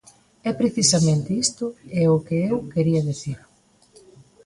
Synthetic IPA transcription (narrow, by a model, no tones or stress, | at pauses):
ɛpɾeθisɐmẽnt̪ɪist̪ʊeʊkɪewkeɾiɐðiθiɾ